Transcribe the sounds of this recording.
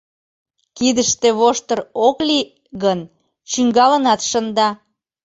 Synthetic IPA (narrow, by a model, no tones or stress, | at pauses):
kid̪əʃt̪eβoʃt̪əɾokli | ɣən | t͡ɕyŋɡɑlənɑt̪ʃənd̪ɑ